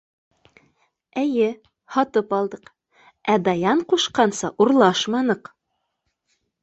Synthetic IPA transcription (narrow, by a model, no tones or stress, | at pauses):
ɘ̆jɘ | hɒt̪ɤpɑlˠd̪ɤq | æd̪ɑjɑɴquʃqɑnsɑʔuɾlˠɑʃmɑnɤq